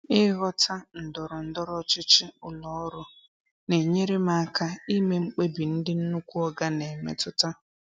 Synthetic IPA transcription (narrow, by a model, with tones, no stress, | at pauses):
ɪ˦ɣɔ˦tʰa˦n̩˨dɔ˨ɾʊ˨n̩˦dɔ˦ɾɔ˦t͡ʃɪ˦t͡ʃɪ˦ʊ˨lɔ˨ɔ˦ɾʊ˦ | ne˨ɲe˦ɾe˦ma˦ka˦i˦me˦ŋ͡m̩˦k͡pe˦bi˨n̩˦dɪ˦n̩˦nu˦kʷu˦ɔ˦ɡa˦ne˨mḛ˨tʊ˦ta˦